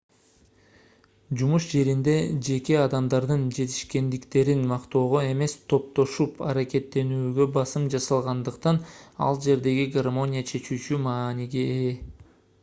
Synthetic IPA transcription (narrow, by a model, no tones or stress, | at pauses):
d͡ʒumuʃd͡ʒe̞ɾind̪e̞d͡ʒe̞ke̞ɑd̪ɑmd̪ɑɾd̪ɯnd͡ʒe̞t̪ʰi̥ʃke̞nd̪ikt̪e̞ɾinmɑqt̪o̞ːʁoe̞me̞st̪ʰo̞p̚t̪o̞ʃupɑ̰ɾake̞t̪ːe̞nyːɡø̞bɑsɯmd͡ʒɑsɑlˠʁɑnd̪ɯqt̪ɑnɑ̰lˠd͡ʒe̞ɾd̪e̞ɡiɡarmo̞nʲijat͡ʃʰe̞t͡ʃyːt͡ʃymɑːniɡe